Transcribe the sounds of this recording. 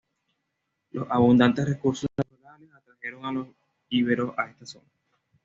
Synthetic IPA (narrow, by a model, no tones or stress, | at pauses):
lo̞saβund̪ant̪esrekuɾsosnnat̪uɾale̞sat̪ɾahje̞ɾo̞ŋalo̞s | iβeɾo̞sa̰e̞st̪aso̞na